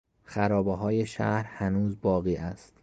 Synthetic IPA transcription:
xæɾɒːbeɦɒːjeʃæ̰hɾhænuːzbɒːɣiːʔæst̪

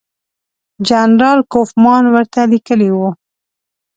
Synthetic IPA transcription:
d͡ʒanɾɑlkofmɑnwəɾt̪alikəliwu

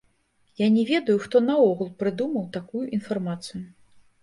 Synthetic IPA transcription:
janʲɛvʲɛd̪ɐjuʂt̪ɔnɐɔɣulˠpɾɨd̪umɐwt̪akujuʔinfarmat̪sɨju

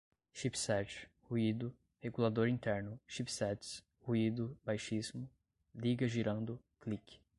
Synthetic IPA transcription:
ʃipsɛt͡ʃhuid̪ʊ | heɡulad̪oɾĩnt̪ɛɾnʊʃipsɛt͡ʃs | huid̪ʊbajʃizmʊ | liɡɐʒiɾɐ̃nd̪ʊ | klik

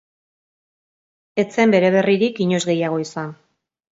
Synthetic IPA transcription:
e̞t͡se̞mbe̞ɾe̞β̞e̞riɾikiɲo̞zɣe̞jaɣ̞o̞isan

